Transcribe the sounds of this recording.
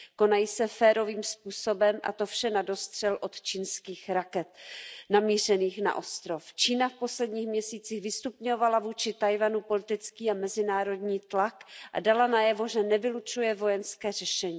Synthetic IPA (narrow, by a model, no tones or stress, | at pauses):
ko̞najiːsɛfɛːɾo̞viːmspuːsobɛmʔa̰t̪o̞fʃɛnado̞st̪r̝̥ɛlʔo̞t̪t͡ʃiːnskiːxɾakɛt̪namiːr̝ɛniːxna̰ʔo̞st̪ɾoft͡ʃiːnafpo̞slɛdɲiːxmɲɛsiːt͡siɣvɪst̪upɲo̞valavuːt͡ʃɪt̪ajvanupo̞lɪt̪ɪt͡skiːamɛzɪnaːɾo̞dɲiːt̪lakʔa̰dalanajɛvo̞ʒɛnɛvɪlut͡ʃujɛvo̞jɛnskɛːrɛʃɛɲiː